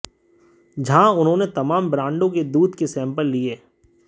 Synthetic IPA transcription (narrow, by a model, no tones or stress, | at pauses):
d͡ʒɐɦãʊnɦõːnet̪ɐmaːmbɾãːɳɖõked̪uːd̪kesɛ̃ːmpəlːieː